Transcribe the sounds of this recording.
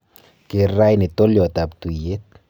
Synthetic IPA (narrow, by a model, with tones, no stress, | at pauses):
ke˨ɾa˦jni˨t̪o˦ljo˨at̪ap̚t̪u˨je˦t̪̚